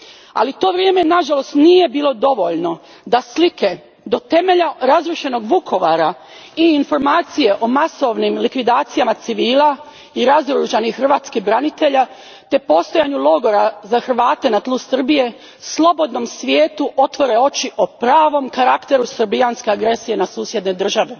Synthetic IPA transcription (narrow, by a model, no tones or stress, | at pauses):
a̰lit̪o̞ːʋɾjeːme̞naʒalo̞st̪nije̞biːlo̞d̪o̞ʋo̞ʎno̞ | d̪aslike̞ | d̪o̞t̪e̞me̞ʎaɾazɾuʃe̞no̞ɡʋukʰo̞ʋaɾa | iːnfo̞ɾmaːt̪sije̞ʔo̞maso̞ʋnimlikʋid̪aːt̪sijamat̪siʋiːla | iɾazoɾɾuʒanixxrʋaːt̪skiɦbɾanit̪e̞ʎa | t̪e̞po̞st̪o̞jaɲulo̞ɡo̞ɾazaxr̩ʋaːt̪e̞nat̪lˠusr̩bije̞ | slˠo̞bo̞d̪no̞msʋjeːt̪uʔo̞t̪ʋo̞ɾe̞o̞t͡ʃiʔopɾaːʋo̞mkaɾakt̪e̞ɾusr̩bijanske̞aɡɾe̞sije̞nasuːsje̞d̪ned̪r̩ʒaʋe̞